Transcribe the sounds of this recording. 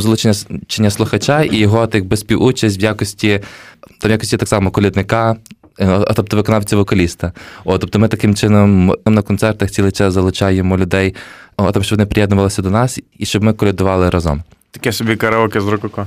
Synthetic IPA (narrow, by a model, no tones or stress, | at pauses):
zɐlˠut͡ʃenʲːɐt͡ʃenʲːɐslˠʊxɐt͡ʃaʔijɔɦɔt̪kbɛsʲpʲiwut͡ʃɐsʲtʲʋjakɔsʲtʲit̪ɑmjakɔsʲtʲit̪aksɑmɔkɔlʲid̪nɪkɑ | t̪ɔp̚t̪ɔʋɪkɔnɑwt͡sʲɐʋɔkɔlʲist̪ɐɔt̪ɔp̚t̪ɔmɪt̪ɐkɪmt͡ʃɪnɔmɔmnɐkɔnt̪sɛrt̪ɐxʲt͡sʲilˠet͡ʃazzɐlˠʊt͡ʃɑjemɔlʲʊd̪ɛjɔt̪ɔmʃt͡ʃɔʋɔnɪpɾejɛd̪nʊʋɐlˠɪsʲɐd̪ɔnɑsiʃt͡ʃɔbmɪkɔlʲɪd̪ʊʋɑlˠɪɾɐzɔ̰m | t̪ɐ̥kʲɛsɔbʲikɐɾɛʋˠkɛzɾʊkɔkɔ